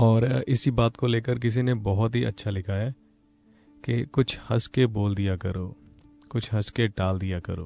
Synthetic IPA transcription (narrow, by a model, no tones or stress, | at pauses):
ɔːɾɪsibaːt̪koleːkəɾk̬ɪs̬inebɔɦʊt̪ɦiʔɐ̰tːʃʰalɪkʰaɦɛː | kekʊt͡ʃʰhɐskeboːld̪ijakɐɾoː | kʊt͡ʃʰɦɐskeʈaːld̪ijakɐ̰ɾo̰ː